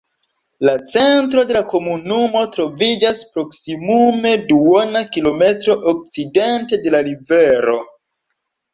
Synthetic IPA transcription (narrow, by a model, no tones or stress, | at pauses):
lat͡sentɾo̞de̞lako̞munumo̞tɾo̞vid͡ʒaspɾo̞ksimume̞duwonakilo̞me̞tɾo̞ʔok̚t͡side̞nte̞de̞laɾive̞ɾo̞